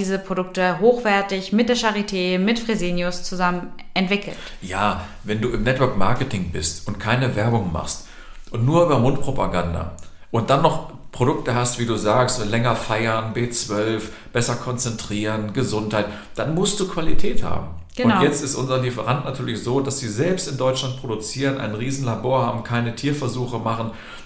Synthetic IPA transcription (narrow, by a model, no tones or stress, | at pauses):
iːzəpʁ̥odʊk̚təɦoːxv̥ɛɐtɪçmɪt̚d̥eːɐʃaʁitʰeːmɪtfʁ̥ezeːnjʊst͡suzamənʔɛntv̥ɪkʰl̩t | jaː | vɛnduːɪmnɛtv̥œɐkma̰ɐkətɪŋbɪstʊntkʰaɪnəvɛɐbʊŋma̰χst | ʔʊntnuːɐʔyːbɐmʊnt̚pʁ̥opa̰ɡanda̰ | ʔʊnt̚d̥anːɔχpʁ̥odʊk̚təɦastv̥iːduːzaːkstlɛŋɐfaɪɐnbeːt͡sv̥œlfb̥ɛsɐkʰɔnt͡sɛntʁ̥iːʁənɡəzʊnthaɪt | d̥anmʊst̚d̥uːkv̥alitʰɛːtha̰ːbm̩ | ɡ̥ʊjɛt͡stɪstʔʊnzɐlifəʁantnatʰyːɐlɪçz̥oːd̥asz̥iːzɛlpstɪndɔʏt͡ʃlant̚pʁ̥odut͡siːʁənʔa̰ɪnʁiːzn̩laboːɐha̰ːbm̩kʰaɪnətʰiːɐfɛɐzuːxəmaχn̩